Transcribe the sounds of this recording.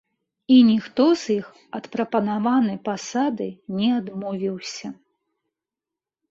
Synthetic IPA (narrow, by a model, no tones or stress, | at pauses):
inʲixt̪ɔzix | ɐt̪pɾɐpɐnavanɨjpasad̪ɨnʲɛad̪mɔvʲiwsʲɐ